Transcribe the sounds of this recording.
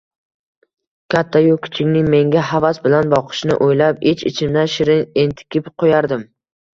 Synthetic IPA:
kʲʰat̪ʰːajʊkʲʰɪ̥t͡ʃʰɪkʲnɪŋme̞ŋɡʲaɦavasbɪlanbɒqʰɨ̥ʃnɪ̰ʔojlapet͡ʃʰɪ̰t͡ʃʰɪmd̪aʃɪɾɪent̪ʰɪ̥kʲʰɪpqʰojaɾd̪ɪm

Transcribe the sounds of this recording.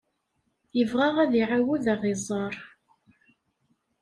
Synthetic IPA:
jəvʁaʁæðiʕawuðaʁɪzˤɑɾˤ

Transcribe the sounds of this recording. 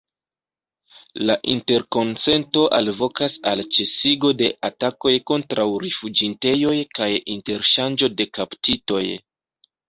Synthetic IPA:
laʔinte̞ɾko̞nse̞nto̞ʔalvo̞kasalt͡ʃe̞siɡo̞de̞ʔatako̞jko̞ntɾawɾifud͡ʒinte̞jo̞jkajinte̞ɾʃand͡ʒo̞de̞kaptito̞j

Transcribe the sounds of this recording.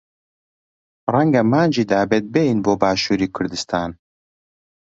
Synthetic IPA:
rɛŋɡɐmaːnd͡ʒiːd̪aːbɛt̪̚bejinboːbaːʃuːɾiːkʰʊɾd̪ɨst̪ʰaːn

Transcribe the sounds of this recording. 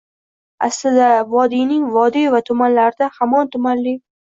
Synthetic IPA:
a̰slɪd̪avɒd̪inɪŋvɒd̪ivat̪ʰʊmanlaɾɪd̪ahamɒnt̪ʰʊmanlɪ

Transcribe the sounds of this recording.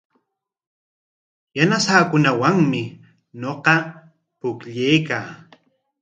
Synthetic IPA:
janasaːkʊnawaŋmɪ | ɲoqɑ | pʊkʎejkaː

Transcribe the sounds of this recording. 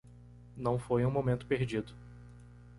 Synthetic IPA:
nɐ̃w̃fojũmomẽnt̪ʊ̥peɾd͡ʒid̪ʊ

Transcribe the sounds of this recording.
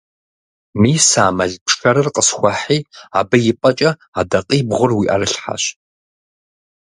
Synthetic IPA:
miːsaːmɐɮpʂxɐɾɨrqʼəsxʷaħiːaːbɐjɪpʼɐt͡ʃʼɐ | adɐqʼiːbʁʷʊrwiːʔa̰rɨɬħa̰ɕ

